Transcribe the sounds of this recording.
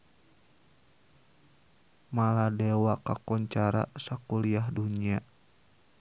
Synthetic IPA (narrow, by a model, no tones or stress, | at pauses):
maladɛwakakɔɲt͡ʃaɾa̰sakuliahduɲia